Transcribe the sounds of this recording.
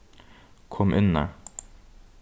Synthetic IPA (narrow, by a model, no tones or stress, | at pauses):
kʰɔmʔʉnə̰